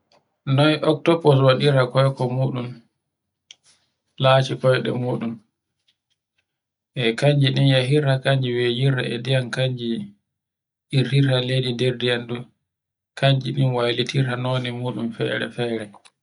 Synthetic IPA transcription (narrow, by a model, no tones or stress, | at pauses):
nɔjʔɔk̚tɔpɔswaɗiɾakɔjkɔmuːɗum | laːt͡ʃikɔjɗɛ̰muːɗum | ʔɛkaɲd͡ʒiɗinjaɦiɾakaɲd͡ʒiwed͡ʒiɾaɛ̰dijankaɲd͡ʒi | ʔiɾiɾaledidɛɾdijandu | kaɲd͡ʒiɗinwajlitʰiɾanoːnimuːɗumfɛ̰ɾɛ̰fɛːɾɛ